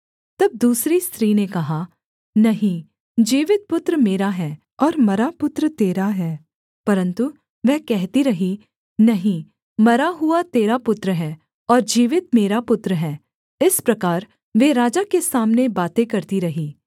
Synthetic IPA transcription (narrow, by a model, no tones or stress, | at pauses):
t̪ɐb̚d̪uːsɾist̪ɾiːnekɐɦa | nɐɦĩ | d͡ʒiːʋɪt̪̚pʊt̪ɾəmeːɾaɦɛː | ɔːɾmɐɾapʊt̪ɾət̪eːɾaɦɛː | pɐɾə̃nt̪u | ʋɛːkɛɦt̪iɾɐɦi | nɐɦĩ | mɐɾaɦʊat̪eːɾapʊt̪ɾəɦɛː | ɔːɾd͡ʒiːʋɪt̪meːɾapʊt̪ɾəɦɛː | ɪspɾɐkaːɾ | ʋeːɾaːd͡ʒakesaːmnebaːt̪ẽkɐɾt̪iɾɐɦiː